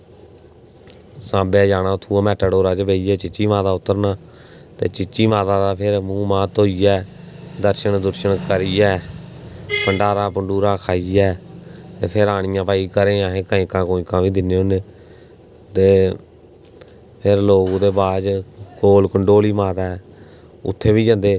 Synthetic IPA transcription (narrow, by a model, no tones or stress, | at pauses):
sãːbeːd͡ʒaːɽaːʊt̪ʰːuːãːmɛːʈəɽoːɾaːt͡ʃbeːiːɛːt͡ʃɪt͡ʃːiːmaːt̪aːʊt̪ːəɾnaː | t̪eːt͡ʃɪt͡ʃːiːmaːt̪ãːd̪aːpʰɪɾmũːmãːt̪oːiːɛː | d̪əɾʃəɳd̪ʊɾʃəɳkəɾiːɛː | pəɳɖaːɾaːpəɳɖuːɾãːkʰaːiːɛːt̪eːpʰɪɾaːɽ̃ɪjãːpaːiːkəɾẽːãːɦẽːkəɪ̃ːkãːkoːĩːkãːʋiːd̪ɪnːeːoːneː | t̪eː | pʰɪɾloːɡõd̪eːbaːd͡ʒkoːlkəɳɖoːliːmaːt̪aɛ | ʊ̰t̪ʰːeːʋiːd͡ʒə̃nd̪eː